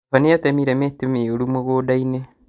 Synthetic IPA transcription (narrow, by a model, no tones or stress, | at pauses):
anejatɛmiɾɛmetumeoɾumoɣoːdaine